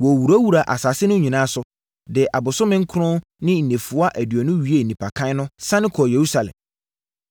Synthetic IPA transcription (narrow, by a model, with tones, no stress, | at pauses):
wɔ˨wu˨ɾa˦wu˨ɾa˨ʔa̰˨sa˨sɪ˦nʊ̃˦ɲĩ˨nãː˦sʊ˨ | dɪ˨ʔa˨bʊ˨sʊ˦mɪ̃˦ŋ̩˦kʰʊ˦ɾʊ̃˦ | nɪ̃˦n̩˨nẽ˨fu˨˦a˦ʔæ˨dɥɔ˨nʊ̃˦ɥi˨˦e˦˨nĩ˨pʰa˨kʰã˦nʊ̃˦sã˦nɪ̃˦kʰɔ˨je˨ɾu˦sa˨lɛ̰̃˨m